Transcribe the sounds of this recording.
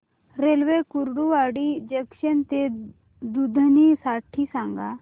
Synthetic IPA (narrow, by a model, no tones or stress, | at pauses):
ɾelʋekuɾɽuaːɽid͡ʒɐkʃənt̪e | d̪ud̪ʱənisaːʈʰːisãŋɡa